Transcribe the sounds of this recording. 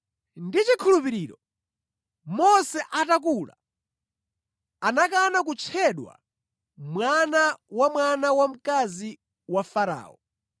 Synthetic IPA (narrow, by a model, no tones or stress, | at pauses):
ndit͡ʃikʰulupiɾiːɾɔ | mɔsɛʔatak̬uːla̰ | anak̬anak̬ut͡ʃʰɛɗwa̰ | mwanawamwanawam̩kazi | wafaɾa̰ːɔ